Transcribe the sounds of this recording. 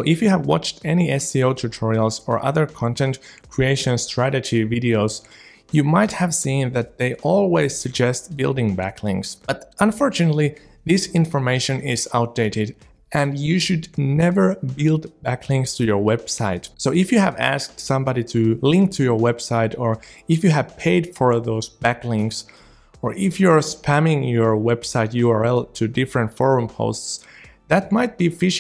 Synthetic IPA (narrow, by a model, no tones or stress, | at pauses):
soʊʔɨfjɨɨvwɑt͡ʃtʰɛniɛsioʊtʰɨtʰɔɹil̩ˠzə̰˞ʔʌ̰ðə˞kʰɑ̃ntʰɛ̃ntkʰɹ̥ieɪʃɨ̃nstɹ̥æɾɨd͡ʒivɪɾioʊz̥ | jɨmaɪt̚hɨv̥sĩnðɨt̪̚ðeɪʔɔlˠwiz̥sɨɡ̚d͡ʒɛst̚b̥ɪlˠdɪ̃ŋbækʰlɪ̰̃ŋksb̥ʌɾə̃ɱfɔɹt͡ʃɨnətˡli | ðɪsɪ̃ɱfə˞meɪʃɨ̃nɪzaʊt̚d̥eɪɾɪɾ | ʔɨ̃njɨʃɨdⁿnɛvə˞bɪlˠdbækʰlɪ̃ŋkstʰɨjə˞wɛb̥saɪtsoʊɪfjɨɨvæ̰sk̚tsʌ̃mbɑɾiɾʰɨlɪ̃ŋk̚tʰɨjə˞wɛb̥saɪɾə˞ɨfjɨɨv̥pʰeɪd̥fə˞ðoʊzb̥æklɪ̃ŋks | ə˞ʔɪfjɨə˞spʰæ̃mɪ̃ŋjə˞wɛb̥saɪtjuɑɹɛlˠtʰɨdɪfɹɨ̃ntfɔɹũmpʰo̰ʊsts | ðæt̚maɪt̚b̥ifɪʃ